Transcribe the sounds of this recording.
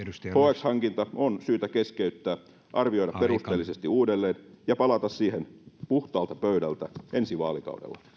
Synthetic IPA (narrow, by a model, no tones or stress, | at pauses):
hoːekshɑŋkint̪ɑonsyːt̪ækeskeyt̪ːæː | ʔɑrʋio̞jɾɑppperust̪eːlːisest̪iuːdelːeːnjɑpɑlɑt̪ɑssiːhenpuht̪ɑːlt̪ɑpøydælt̪æʔensiʋɑ̰ːlikɑ̰udḛlːɑ̰